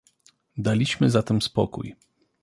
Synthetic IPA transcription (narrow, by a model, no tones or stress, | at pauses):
d̪alʲiɕmɘzat̪ɛmspɔ̰kṵj